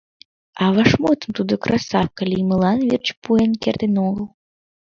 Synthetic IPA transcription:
avaʂmɔt̪sɨmt̪ud̪ɨkɾasakalʲimɨlˠanvʲirt͡ʃpuɛnkʲɛrd̪ɨnɔɣəlˠ

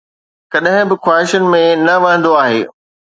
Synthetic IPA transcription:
kɐɗɦɪ̃bɪxwaːɦɪʃʊnɪ̆mẽnɐʋɐə̃n̆d̪oaːɦḛː

